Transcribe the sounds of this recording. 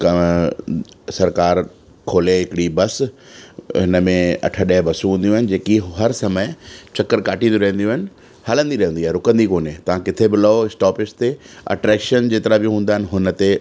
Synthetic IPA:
k | sɐɾkaːɾ | kʰoːleɦɪkɪɽibɐs | ɦɪnəmẽɐ̰ʈʰəɗɛɦɪbɐsũɦũːnd̪jũaɦɪnɪ̆d͡ʑeːkiɦɐɾsɐməɪt͡ɕɐkːəɾkaːʈʰĩnd̪oɾɐɦə̃nd̪jũːɦɪnɪ̆ | haːlə̃nd̪iɾɐɦə̃ndiaːɦeɾʊkə̃nd̪ikoːnet̪ɐʋ̤ãkɪt̪ʰebɪlɐoɪsʈɔːpɪst̪eɐ̰ʈɾɛːkʃənd͡ʑeːt̪ɪɾabij̃ɦũːn̆d̪aɦɪnɪ̆ɦʊnə̆t̪e

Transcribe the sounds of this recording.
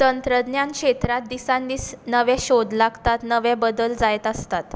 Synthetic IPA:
t̪ənt̪ɾəd̪njankʂet̪ɾat̪̚d̪isãnd̪iːsnəʋɛ̃ɕod̪laɡt̪at̪nəʋɛ̃bəd̪əld͡zajt̪əst̪at̪

